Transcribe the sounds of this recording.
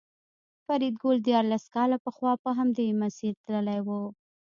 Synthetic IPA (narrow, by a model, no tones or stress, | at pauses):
faɾid̪̚ɡold̪jɑɾlaskɑlapəxwɑpəɦamd̪emasiɾt̪ləlajwə